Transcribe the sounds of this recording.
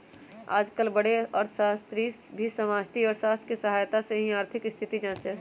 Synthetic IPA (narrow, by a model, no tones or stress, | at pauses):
a̰ːd͡ʒkəlbəɽeəɾt̪ʰəʃaːst̪ɾi | bʱisəmaːsʈiɔːɾʃaːskisəɦaːjt̪aseɦĩaːɾt̪ʰɪkɪst̪ʰɪt̪id͡ʒãːnt͡ʃɛ